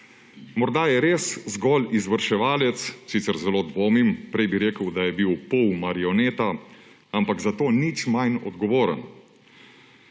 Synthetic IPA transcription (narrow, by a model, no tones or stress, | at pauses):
mɔɾd̪ajɛɾeszɡɔlizʋəɾʃɛʋaːlɛt̪ssiːt̪səɾzɛloːd̪ʋoːmimpɾɛjbiɾeːkəwd̪ajɛbiwpɔwmaɾiɔneːt̪a | ampaɡzat̪oːnit͡ʃmajnɔ̰d̪ɡɔʋoːɾə̰n